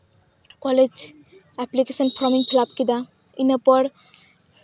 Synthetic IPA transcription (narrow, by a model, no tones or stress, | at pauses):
kɔled͡ʒ | ɛplikesɔnpʰɾɔmiŋpʰilap̚kid̪a | inapɔɽ